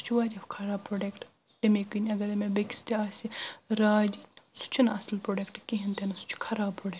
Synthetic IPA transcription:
su̥t͡ʃʰʋaːd͡ʒʲɐfkʰɐɾaːpɾoːɖekʈ | ʈɐmekunʲɐɡɐlɐmebeki̥st̪iaːsʲiɾaːd͡ʒʲisu̥t͡ʃʰinɐsɐlpɾoːɖɐkʈkiɦint̪enɐsu̥t͡ʃʰkʰɐɾaːbpɾoːɖe

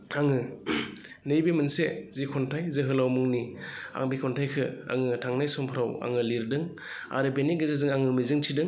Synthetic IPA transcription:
aŋɯ | nɯjbemɯnsezikʰɔntʰajzɯɦɯlawmɯŋnia̰ŋbikʰɔntʰajkʰɯa̰ŋɯtʰaŋnajsɔmpʰɾawa̰ŋɯliɾdɯŋ | a̰ɾɯbeniɡɯzazɯŋaŋɯmizɯŋtʰidɯŋ

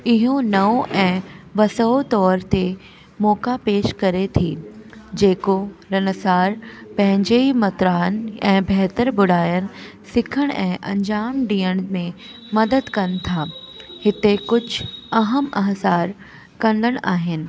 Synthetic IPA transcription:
ɪɦonɐoʔɛ̃ːʋɐsəot̪ɔːɾt̪e | mɔːkapeːʃkɐɾet̪ʰiːd͡ʑeːkoɾɐnəsaːɾpɐ̃ɦɪ̃ɲd͡ʑeimɐt̪ɾaːənɛ̃ːbʱɛɦt̪əɾbʊɽ̤aːjəɽ̃ | sɪkʰəɽ̃ɛ̃ːʔɐ̰̃ɲd͡ʑaːmɖiːəɽ̃mẽ | mɐd̪əd̪kɐnt̪ʰaː | hɪt̪ekʊd͡ʑʱɐɦəmɐɦsaːɾ | kɐ̃nd̪ʱəɽ̃ʔaːɦɪnɪ̆

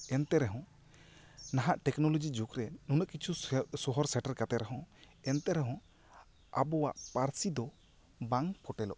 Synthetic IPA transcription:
ɛnt̪ɛɾɛɦɔ̃ | naɦaʔʈɛknɔlɔd͡ʒid͡ʒukɾɛnunəʔkit͡ʃʰusɔɦɔɾsɛʈəɾkat̪ɛɾɛɦɔ̃ | ɛnt̪ɛɾɛɦɔ̃ | abɔwa̰ʔpaɾsid̪ɔ | baŋpʰɔʈɛlɔ̰ʔ

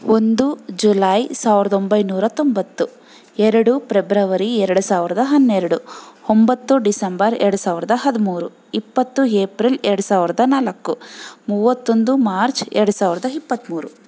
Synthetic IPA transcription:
o̞nd̪ud͡ʒulaːjsaːʋiɾɐd̪o̞mbɐjnuːɾɐt̪ombɐt̪ːu | ɛɾɐɽupɾebɾɐʋɐɾiɛɾɐɽusaːʋiɾɐd̪ɐɦɐnːɛɾɐɽuombɐt̪ːuɖisɐmbɐɾɛ̰ɾɐɽusaːʋiɾɐd̪ɐɦɐd̪imuːɾu | ipːɐt̪ːueːpɾilɛɾɐɽusaːʋiɾɐd̪ɐnaːlɐkːumuʋɐt̪ːo̞nd̪umaːɾt͡ʃɛ̰ɾɐɽusaːʋiɾɐd̪ɐipːɐt̪ːmuːɾu

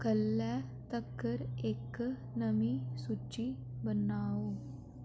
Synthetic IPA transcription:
kəlːjat̪əkːəɾek | nəmisut͡ɕi | bənaʋo

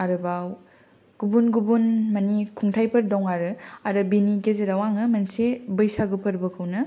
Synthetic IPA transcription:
aɾɯbaw | ɡ̥ubunɡubunmɐnikʰuŋtʰajpʰɐɾdɔŋaɾɯaɾɯbiniɡezeɾawaŋɯmɐnsebɐjsaɡupʰɐɾbɐkʰɯwnɐ

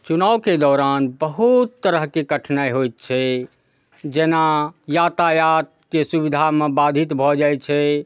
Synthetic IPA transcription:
t͡ʃunawked̪ɔːɾanbəɦut̪ːəɾəɦkekəʈʰnaeɦojt̪̚t͡ʃʰɛ | d͡ʒenajat̪ajat̪̚kesubid̪ʱamebad̪ʱit̪bʱɔd͡ʒajt̪̚t͡ʃʰɛ

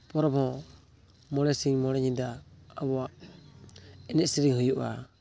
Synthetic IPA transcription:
pɔɾɔbhɔ̃ | mɔɽɛsiŋmɔɾɛɲid̪aːβɔaʔ | ɛnɛʔsiɾiŋhujuʔa̰

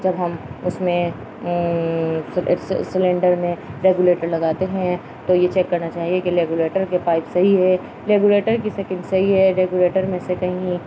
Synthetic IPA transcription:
d͡ʒɐbɦɐmʊsmẽ | sssɪlẽːɳɖəɾmẽɾeːɡjuleːʈəɾlɐɡaːt̪eɦɛ̃ | t̪ojet͡ʃɛːkːɐɾnat͡ʃaːɦiekiɾeːɡuleːʈəɾkepaːɪpsɐɦiɦɛː | ɾeːɡuleːʈəɾkisɛːkɪ̃ɳɖsɐɦiɦɛɾeːɡjuleːʈəɾmẽsekɐɦĩi

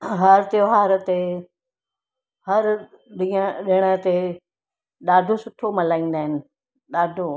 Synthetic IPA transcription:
ɦɐɾt̪ɪjoɦaːɾt̪e | hɐɾ | ɗiɗɪɽ̃ət̪e | ɗaːɖʱosʊʈʰomɐlaːĩːn̆d̪aːɦɪnɪ̆ | ɗaːɖʱo

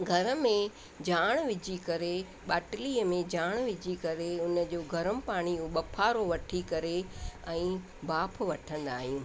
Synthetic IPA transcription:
ɡʱɐɾə̆mẽ | d͡ʑaːɽ̃ʋɪd͡ʑikɐɾe | ɓaːʈliːəmẽd͡ʑaːɽ̃ʋɪd͡ʑʱikɐɾeʊnə̆d͡ʑoːɡʱɐɾəmpaːɽ̃iuɓɐpʰaːɾoʋɐʈʰikɐɾeɛ̃ː | baːpʰʋɐʈʰə̃nd̪aːɦijũː

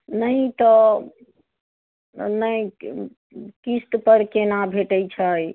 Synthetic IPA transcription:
nəjt̪ɔ | nəj | kist̪pəɾkenabʱeʈəjt͡ʃʰəj

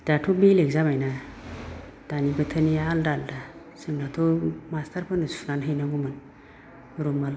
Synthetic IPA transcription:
d̥atobeleɡzamaina | d̥anibətʰanijaaldalda | səŋɡatomastaɾpənəsfunanɦanaɡumən | ɾomal

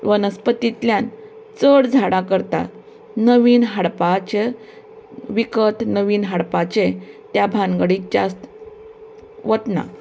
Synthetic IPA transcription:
ʋənəspət̪it̪ljan | t͡səɽd͡zʱaɽãkəɾt̪a̰t̪ | nəʋiːnɦaɽpat͡ɕe | ʋikət̪nəʋiːnɦaɽpat͡ɕet̪jabʱãŋɡəɽid͡ʑa̰st̪ | ʋət̪na̰

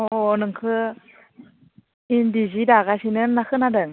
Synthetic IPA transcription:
onɯŋkʰɯ | indizidaɡasinɯnːakʰɯnadɯŋ

